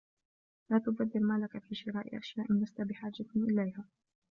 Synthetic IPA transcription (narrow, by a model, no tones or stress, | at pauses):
laːt̪ʊbad̪ːɪlmalakafiːʃɪɾaːʔɪ̰ʔa̰ʃjaːʔɪnlast̪abɪħaːd͡ʒaʔɪlajhaː